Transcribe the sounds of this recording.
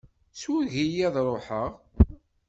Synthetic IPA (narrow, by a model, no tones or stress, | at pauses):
swæɣijæðɾˤoħəʁ